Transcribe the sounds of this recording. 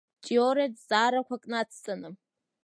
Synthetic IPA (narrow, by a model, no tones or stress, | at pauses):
t͡ʃʼioɾetz̥aːɾakʷakʼnat͡sʰt͡sʼanɨ